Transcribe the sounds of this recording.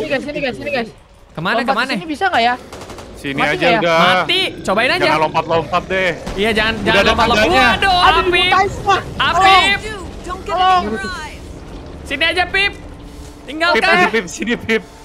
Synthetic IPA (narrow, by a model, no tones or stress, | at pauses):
isiniksinias | kəmanakəmanənibisaŋɡajasiniad͡ʒaɡaat̪it͡ʃobaɪnad͡ʒd͡ʒaanlompat̪̚lompat̪̚dɛhijad͡ʒaŋand͡ʒaŋanlɔmpat̪lɔadoapi | apip | lɔŋ | siniad͡ʒapɪp̚ | t̪iŋɡalkaasipip̚sinipɪp̚